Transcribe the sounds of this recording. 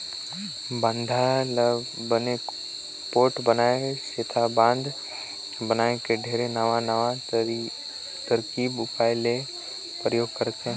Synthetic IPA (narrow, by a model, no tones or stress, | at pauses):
bə̃nd̪ʱal | bəne | poːɾʈbənaːeset̪ʰabãːnd̪ʱ | bənaːekeɖʱeːɾenɐʋanəʋa | t̪əɾkiːbʊpaːɪle | pɾəjoːɡ̚kəɾt̪ẽ